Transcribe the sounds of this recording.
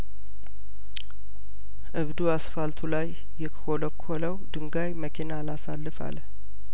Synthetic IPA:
ʔɨβd̪uasfalt̪ʰulajː | ɛkʰə̥holəkʰːoləwd̪ɨŋɡajməkʰinalasalːɨfa̰l

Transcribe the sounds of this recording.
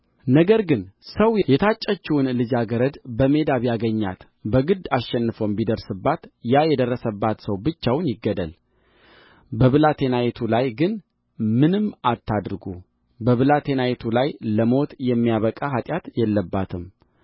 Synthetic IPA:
nəɡəɾɡɨnsəwjjɛt̪ʰat͡ʃʼːət͡ʃːuwnlɨd͡ʒaɡəɾəd̪bəme̞d̪aβijaɡəɲːa̰t̪ | bəɡɨd̪asʃɛnːɨfombid̪əɾsɨbːat̪jajɛd̪ərːəsəbːat̪səwbɨt͡ʃːawnjɪɡːəd̪ə̰l | bəβɨlat̪ʰe̞najet̪ʰulajɡɨn | mɨnɨmat̪ʰːad̪ɾɡṵ | bəβɨlat̪ʰe̞najet̪ʰulajləmo̞t̪jɛmːijaβəkʼaɦat̪ʼjat̪jɛlːəbːat̪ʰɨm

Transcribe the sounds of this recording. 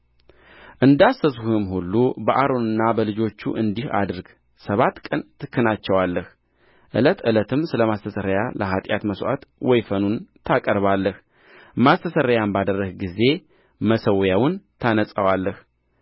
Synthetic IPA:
ʔɨnd̪asːəsuuhɨmhulːubəʔaɾo̞nɨnːabəlɨd͡ʒo̞t͡ʃːṵʔɨnd̪iha̰d̪ɨɾɡ | səβat̪kʼənt̪ʰɨkːɨnat͡ʃːɛwalːəh | ʔɨ̰lət̪ɨlət̪ʰɨmsɨləmast̪ʰəsəɾəjaləɦat̪ʼja̰t̪məsʔa̰t̪wɔjfənunt̪ʰakʼəɾβalːəh | mast̪ʰəsəɾəjambad̪ərːəhɡize̞ | məsəwjawʊnt̪ʰanəsʼəwalːəh

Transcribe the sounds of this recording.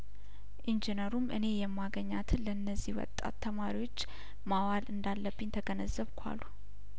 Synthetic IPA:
ʔind͡ʒinəɾumʔɨ̰ne̞jɛmːaɡəɲːat̪ʰɨnlənːəzːiwɔ̰t̪ʼːa̰t̪ʰːəmaɾiwo̞t͡ʃː | mawalʔɨnd̪alːəbːɨɲt̪ʰəɡənəzːəβkʷʰa̰lu

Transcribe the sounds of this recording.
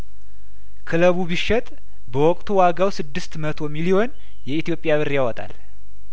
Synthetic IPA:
kʰɨləβubiʃːɛt̪ʼ | bəwɔkʼt̪ʰuwaɡawsɨd̪ːɨst̪mət̪ʰo̞milio̞n | jɛit̪ʰjo̞pʼːjaβɨɾjawɔt̪ʼa̰l

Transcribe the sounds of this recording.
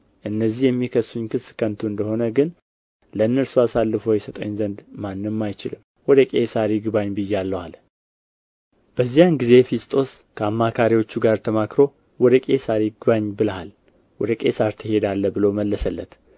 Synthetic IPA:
ʔɨnːəzːihjɛmːikʰəsːuɲːkʰɨskʰənt̪ʰuɨnd̪əho̞nəɡɨn | ləɨnːəɾsuasalːɨfojɛsət̪ʼə̰ɲzənd̪manːɨmːajt͡ʃɪlɨm | wɔd̪əkʼesaɾiɡɨβaɲbɨjːɛalːəwal | b̥əzːijanɡize̞fist̪ʼo̞s | kʰəamːakʰaɾiwo̞t͡ʃːuɡaɾt̪ʰəmakɾo̞ | wɔd̪əkʼe̞saɾiɡɨβaɲbɨləɦal | wɔd̪əkʼesaɾt̪ʰɨhe̞d̪alːəbɨlo̞məlːəsəlːə̰t̪

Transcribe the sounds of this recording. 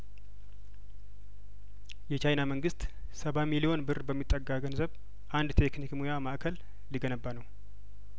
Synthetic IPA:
jɛt͡ʃajnaməŋɡɨst̪ | səβamilijo̞nbɨrbəmːit̪ʼːəɡaɡənzəβ | ʔand̪t̪ʰeknikmujamaʔkʰəl | liɡənəbːanəw

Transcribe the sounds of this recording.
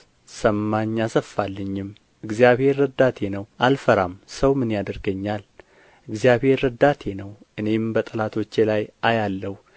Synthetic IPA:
səmːaɲːasəfːalːəɲːɪm | ɨɡzijaβhe̞ɾːəd̪at̪ʰe̞nəwʔalfəɾamsəwmɨnjad̪əɾɡəɲːal | ʔɨɡzijaβhe̞ɾːəd̪at̪ʰe̞nəwʔɨne̞mbət̪ʼɨlat̪ʰo̞t͡ʃːelajʔajalːəhu

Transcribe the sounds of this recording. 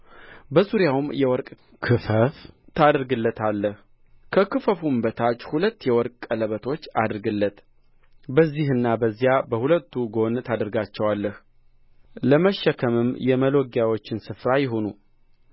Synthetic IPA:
bəzuɾjawmjɛwɔɾkʼ | kʰɨfəft̪ʰad̪ɾɡɨlːət̪ʰalːəh | kʰəkɨfəfumbət̪ʰat͡ʃːhulət̪ːjɛwɔɾkʼələβət̪ʰo̞t͡ʃːad̪ɾɡɨlːət̪ | bəzːihɨnːabəzːijabəhulət̪ːuɡo̞nt̪ʰad̪ɾɡat͡ʃːɛwalːəh | ləməʃːəkʰəmɨmjɛməloɡjawo̞t͡ʃːɪnsɨfɾajɪɦo̞nu

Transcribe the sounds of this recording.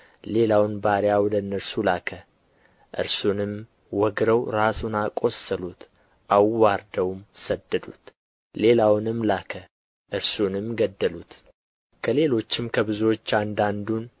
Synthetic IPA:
le̞lawnbaɾjawɔd̪əɨnːəɾsulakʰə | ʔɨ̰ɾsunɨm | wɔɡɾəwɾasunakʼo̞səlut̪ | ʔawːaɾd̪əwmsəd̪ːəd̪ṵt̪ | le̞lawnɨmlakʰə | ʔɨɾsunɨmɡəd̪ːəlut̪ | kʰəle̞lo̞t͡ʃːɪmkʰəbɨzuwo̞t͡ʃːand̪and̪un

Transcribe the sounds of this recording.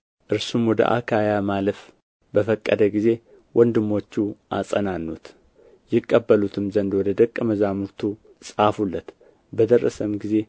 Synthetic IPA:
ʔɨɾsumwɔd̪ə̰ʔa̰kʰajamaləf | bəfəkʼːə̰d̪əɡize̞ | wʔɔnd̪ɨmːo̞t͡ʃːuʔa̰sʼənanːut̪ | jɪkʼːəbːəlut̪ʰɨmzənd̪wɔd̪əd̪əkʼːəməzamuɾt̪ʰu | sʼafulːət̪ | bəd̪ərːə̰səmɡize̞

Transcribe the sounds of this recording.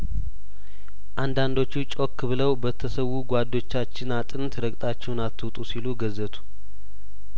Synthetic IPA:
ʔand̪and̪o̞t͡ʃːut͡ʃʼo̞kːbɨləwbət̪ʰːəsəwuɡʷad̪ːo̞t͡ʃːat͡ʃːɪnat̪ʼɨnt̪ʰɾəɡʼt̪ʼat͡ʃːɛwnat̪ʰːɨwt̪ʼusiluɡəzət̪ʰu̥

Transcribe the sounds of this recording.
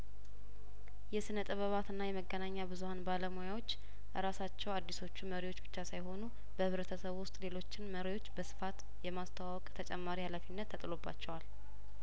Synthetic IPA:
jɛsɨnət̪ʼəβəβat̪ɨnːajɛməɡːənaɲːabɨzuhanbaləmojawo̞t͡ʃː | ɾasat͡ʃːɛwad̪ːiso̞t͡ʃːuməɾiwot͡ʃːbɨt͡ʃːasajho̞nu | bəhɨβɾət̪ʰəsəβwʊst̪ʼle̞lo̞t͡ʃːɪnməɾijwo̞t͡ʃːbəsɨ̥fat̪ | jɛmast̪ʰawawɔkʼt̪ʰət͡ʃʼɛmːaɾihalafinːət̪ʰːət̪ʼɨlo̞bːa̰t͡ʃːɛwal

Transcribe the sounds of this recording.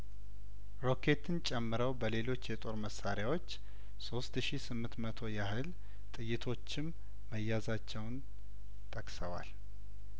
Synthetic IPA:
ɾo̞kʰe̞t̪ʰɨnt͡ʃʼɛmːɨɾəwbəle̞lo̞t͡ʃːjɛt̪ʼo̞ɾməsaɾjawo̞t͡ʃː | sost̪ʃisɨmːɨnt̪mət̪ʰo̞jahɨl | t̪ʼɨjːɪt̪ʰo̞t͡ʃːɪmː | əjːazat͡ʃːɛwn | t̪ʰʼəkʼsəwa̰l

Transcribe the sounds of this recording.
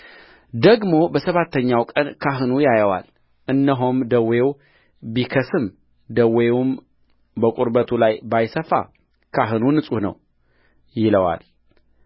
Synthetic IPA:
d̪əɡmo̞bəsəβat̪ːəɲːawkʼənkʰaɦɨnujajəwa̰l | ʔɨnːəɦomd̪əwew | bikʰəsɨm | d̪əweum | bəkʼuɾbət̪ʰulajbajsəfa̰ | kʰaɦɨnunɨsʼuhnə̰w | jɪləwa̰l

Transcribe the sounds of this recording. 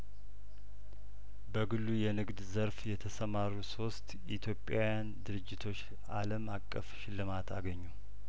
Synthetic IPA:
bəɡɨlːujɛnɨɡd̪zəɾfjɛt̪ʰəsəmaɾuso̞st̪ʔit̪ʰjo̞pʼːjawjand̪ɨɾɨd͡ʒːɪt̪ʰo̞t͡ʃː | aləmakʼːəfʃɪlːɨmat̪ʰaɡəɲːu

